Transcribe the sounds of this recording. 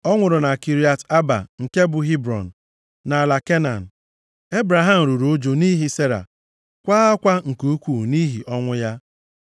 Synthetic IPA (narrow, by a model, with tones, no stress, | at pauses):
ɔ˦ŋʷʊ˨ɾʊ˨na˨ki˨ɾi˦a˨ta˦ba̰˨ŋ̩˨ke˦bʊ˨ɦi˦bɾɔ̰˨n̩˨ | na˨la˨ke˦na̰˨n̩˨ | e˦bɾa˨ɦa˨m̩˨ɾu˨ɾd͡ʒo˨ni˦ɦi˦se˦ɾa̰˨ | kʷaː˦a˦kʷa˦ŋ̩˨ku˦kʷu˦˨ni˦ɦi˨ʔɔ˦ŋʷʊ˦ja˦